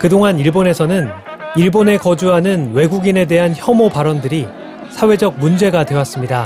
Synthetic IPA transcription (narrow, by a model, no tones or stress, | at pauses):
kɯdoŋaniɭbone̞sʰʌnɯn | iɭbone̞kʌd͡ʑuɦanɯnwe̞ɡuɡine̞de̞ɦançjʌmopaɾʌndɯɾi | sʰawe̞d͡ʑʌk̚mund͡ʑe̞ɡadwe̞was͈ɯmɲida